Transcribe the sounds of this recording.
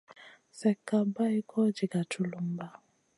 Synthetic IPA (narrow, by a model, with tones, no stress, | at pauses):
sɛ˨kːa˨ba˦i˦kʰɔ˦d͡ʒi˨ka˨tu˨lu˦m˦ba˦˨